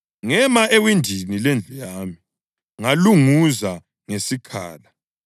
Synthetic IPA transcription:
ŋɛmaʔewindʱinilend͡ɮʱujaːmi | ŋaluŋuza | ŋesikʰa̰ːla

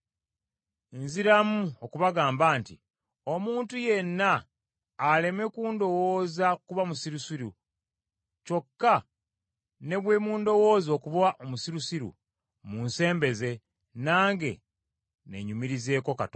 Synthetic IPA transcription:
enziɾamuokuβaɡaːmbaːntḭ | o̞muːntuje̞nːaː | le̞me̞kuːndo̞woːzakuβamusiɾusiɾu | co̞kːa | ne̞βwe̞ːmuːndo̞wo̞ːzo̞ːkuβwaʔomusiɾusiɾṵ | munse̞ːmbe̞ze̞ | naːŋɡe̞̰ | ne̞ɲumiɾize̞ːko̞kat

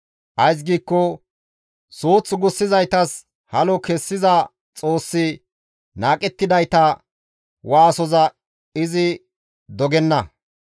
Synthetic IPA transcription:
ʔɐjs̬ɡiːkːɔ | soːt͡sːʊɡʊsːɪzɐjt̪ɐs | hɐlɔkɛsːɪzɐ | t͡sʼo̞ːsːɪ | naːkʼɛt̪ːɪd̪ɐjt̪ɐ | waːsɔzɐ | ɪzɪ | d̪ɔɡɛnːɐ

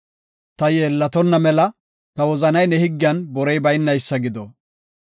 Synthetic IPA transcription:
t̪ɐjeːlːɐt̪ɔnːɐmɛlɐ | t̪ɐwɔzɐnɐjnɛhɪɡːɪɐnbɔɾɛjbɐjnːɐjsːɐɡɪd̪ɔ

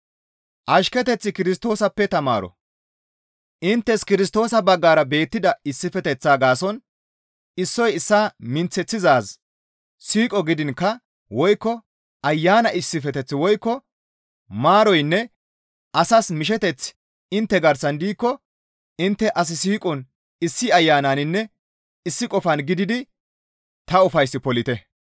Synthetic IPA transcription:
ʔɐʃkɛt̪ɛt͡sːɪkɪɾɪst̪o̞ːsɐpːɛt̪ɐma̰ːɾɔ̰ | ʔɪnt̪ːɛskɪɾɪs̬t̪o̞ːsɐbɐɡːaːɾɐbe̞ːt̪ːɪd̪ɐɪsːɪfɛt̪ɛt͡sːaːɡaːsɔn | ɪsːɔjɪsːaːmɪnt͡sːɛt͡sːɪzaːs | siːkʼɔɡɪd̪ɪnkːɐ | wɔjkːɔ | ɐjːaːnɐʔɪsːɪfɛt̪ɛt͡sːwɔjkːɔ | maːɾɔjnːɛ | ʔɐsɐsmɪʃ̬ɛt̪ɛt͡s | ɪnt̪ːɛɡɐɾsɐnd̪iːkːɔ | ɪnt̪ːɛʔɐs̬ɪsiːkʼɔn | ɪsːɪɐjːaːnanɪnːɛ | ɪsːɪkʼɔfɐnɡɪd̪ɪd̪ɪ | t̪ɐʊfɐjsːɪpɔlɪt̪ɛ

